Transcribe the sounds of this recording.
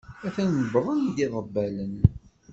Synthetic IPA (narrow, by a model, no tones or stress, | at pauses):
æθænbɾˤənd̪iðˤəbːælən